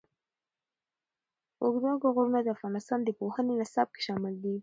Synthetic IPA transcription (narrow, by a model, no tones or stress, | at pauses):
ʊɡd̪oɡʊɣoɾnad̪əafɣɑnɪst̪ɑnd̪əpohənenasɑb̚ke̥ʃɑmɪld̪i